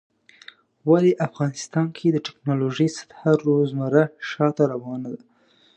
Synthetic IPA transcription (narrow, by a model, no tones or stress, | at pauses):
waleʔafɣɑnɪst̪ɑnkʰed̪əʈɪknɑloʒəjsḁt̪haɾːozmaɾaʃɑt̪aɾawɑnad̪a